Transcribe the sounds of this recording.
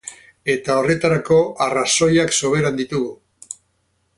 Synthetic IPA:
e̞t̪ao̞re̞t̪aɾako̞araso̞jakso̞β̞e̞ɾand̪it̪uɣu

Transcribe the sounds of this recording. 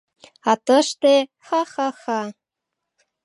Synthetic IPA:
ɑt̪ɤ̆ʃt̪e | xɑxɑxɑ

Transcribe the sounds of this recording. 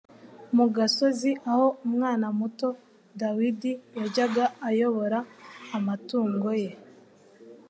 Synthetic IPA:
muɡaso̞ziʔaho̞umŋaːnamuto̞ | dawidijaɟaɡaːjo̞βo̞ɾaːmatuːŋɡo̞je̞

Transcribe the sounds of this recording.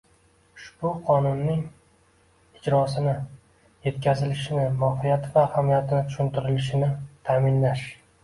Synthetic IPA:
ʃpʊqʰɒnʊnːɪŋ | ɪd͡ʒɾɒsɪnɪ | je̞t̪kʲʰazɪlɪʃɪnɪmɒhɪjat̪ʰɪvahamijat̪ʰɪnɪt̪ʰʊ̥ʃʊnt̪ʰɪɾɪlɪʃɪnɪt̪ʰaːmɪnlaʃ

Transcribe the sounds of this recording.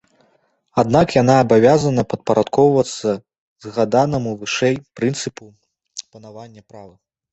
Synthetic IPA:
ad̪̚nakjanaːbavʲazɐnɐpɐt̪̚pɐɾʔat̪kɔwvɐt̪sːɐ | zɣad̪anɐmuvɨʂɛjpɾɨnt̪sɨpu | pɐnavanʲːɐpɾavɨ

